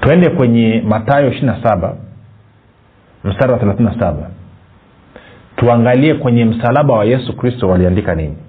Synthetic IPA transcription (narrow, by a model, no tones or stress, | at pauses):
tuɛndɛkwɛɲɛmatajɔiʃiinasaɓa̰ | m̩staɾawaθɛlaθininasaɓa | tuaŋɡaliɛkwɛɲɛm̩salaɓawajɛsukɾistɔwaliandikanḭɲi